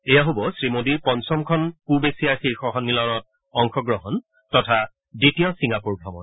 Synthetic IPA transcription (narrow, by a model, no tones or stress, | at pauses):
ejaɦobɔsɹimodiɹpɔnsɔmkʰɔnpubesiaxixɔɦɔnːilɔnɔt̚ | ɔŋkʰɔɡɹɔɦɔn | tɔtʰa | ditijɔsiŋapuɹɡʱɔmɔn